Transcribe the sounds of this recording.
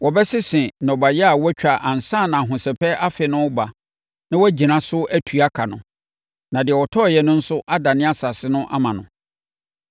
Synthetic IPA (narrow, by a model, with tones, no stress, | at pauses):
wɔ˨bɛ˦sɪ˦sɪ̃˨nɔ̃˨ba˨jɛ˦a˨wɔ˦t͡ɕᶣa˨ʔã˨n̩˨sã˦˨nã˨a˨ɦʊ̃˨sɛ˨pʰɛ˦ʔa˦fɪ˨nʊ̃˦ba˨ | nã˦wɔ˦d͡ʑi˨nã˦sʊ˦æ˦tʰu˨a˦kʰa˨nʊ̰̃˨ | nã˨dɪ˨ɛ˨wɔ˨tʰɔ˦˨jɛ˨nʊ̃˦n̩˦sʊ˦ʔa˦da˨nɪ̃˦a˦sa˨sɪ˦nʊ̃˦ʔa̰˦mã˨nʊ̰̃˨